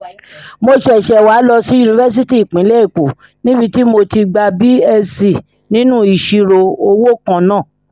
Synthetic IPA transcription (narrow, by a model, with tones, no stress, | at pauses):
mo˧ʃɛ˦˨ʃɛ˧˨waː˨˦lɔ˧si˦u˧nĩ˧vɛ˦s̬i˦ti˦i˨k͡pĩ˨˦lɛ˦i˦˨ko˨ | nĩ˦bi˧ti˦mo˧ti˧ɡ͡ba˧bi˦ɛ˧si˨ | nĩ˦nũ˦i˨ʃi˧ɾo˧o˧wo˦kã˦˧nãː˦˨